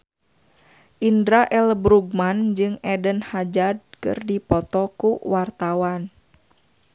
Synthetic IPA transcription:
ʔindɾaʔɛlbɾuɡ̚mand͡ʒɨŋɛdənhad͡ʒad̚kɨ̰rdipɔt̪ɔkuwart̪awan

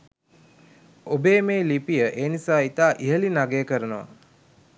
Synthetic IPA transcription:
obeːmeːlipijəʔeːnisaːit̪aːʔiɦəlinaɡejəkəɾənəʋa̰

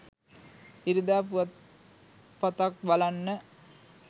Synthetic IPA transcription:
iɾid̪aːpuʋat̪ | pat̪ak̚balanːə

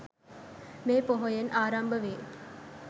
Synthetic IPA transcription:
meːpoɦojenʔaːɾambəʋeː

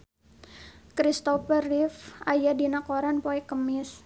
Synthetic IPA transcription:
kɾist̪ɔfərɪfʔajadinakoɾanpoɛkːəmɪs

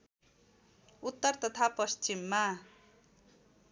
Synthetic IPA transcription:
ut̪ːʌrt̪ʌt̪ʰapʌst͡ʃimːa

